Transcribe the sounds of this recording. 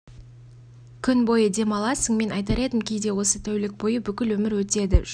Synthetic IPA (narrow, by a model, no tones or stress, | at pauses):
kʲʰʏnbo̞jəd̪e̞mɑlˠɑsəɴme̞nɑjt̪ɑɾe̞d̪ɪmkʲʰejd̪e̞wo̞sət̪ʰæwlɪk̚bo̞jəbʏkʲɪlwɵmɪɾwɵt̪e̞d̪ɪ